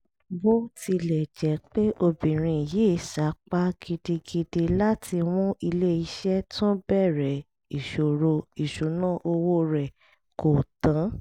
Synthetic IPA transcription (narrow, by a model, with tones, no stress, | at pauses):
bo˦ti˧lɛ˨d͡ʒɛ˨˦k͡pe˦ʔo˧bĩ˨ɾ̃ĩ˧˨je˨˦˨ʃa˨˦k͡pa˦ɡi˧de˧ɡi˧de˧la˦tʰi˧w̃ũ˦i˧le˦i˧˦ʃɛ˦tʰũ˦bɛ˦˨ɾɛ˨ | i˨ʃo˨ɾo˧i˨ʃu˨˦nãː˦˨ʔo˧wo˦ɾɛ˨ | ko˨tã˨˦